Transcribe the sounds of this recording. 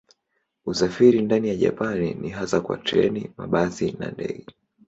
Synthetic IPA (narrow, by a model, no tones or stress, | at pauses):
usafiɾindanijaʄa̰panḭniɦasakwa̰tɛ̰nimaɓazina̰ndɛ̰ɠɛ